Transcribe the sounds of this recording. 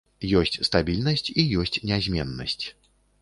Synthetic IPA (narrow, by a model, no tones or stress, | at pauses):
jɔsʲt͡sʲst̪abʲilʲnɐsʲt͡sʲijɔsʲt͡sʲnʲɛzʲmʲɛnːɐsʲt͡sʲ